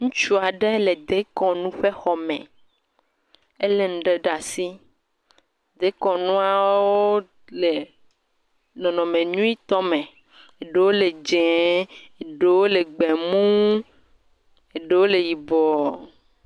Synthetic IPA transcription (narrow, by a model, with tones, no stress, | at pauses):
ŋũ˦t͡ʃu˦a˨ɖe˦le˨d̪e˦kɔ̃˨nũ˦ɸe˦xɔ˨mɛ̰̃˨ | e˦le˦˨ŋ̩̃˨ɖe˦ɖa˨si˦ | d̪e˦kɔ̃˨nũ˦a˦wwo˦ | le˨ | nɔ̃˨nɔ̃˨mẽ˨nũ˦i˦t̪ɔ˦mẽ˨ | e˨ɖe˦wo˦le˨d͡ʒɛ̃˨e˨ɖe˦wo˦le˨ɡ͡be˨mũ˦ | e˨ɖe˦wo˦le˨ji˨bɔ˨